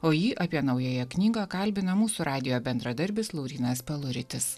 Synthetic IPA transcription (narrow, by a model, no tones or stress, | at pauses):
oːjiːʔɐpʲiɛnɐʊjoːjɛknʲiːɡɑːkɐlʲbʲɪnɐmuːsuːɾʔɑːd̪ʲɪjoːbʲɛnd̪ɾɐd̪ɐɾʲbʲɪslˠɒʊɾʲiːnɐspʲɛlˠʊɾʲɪt̪ʲɪs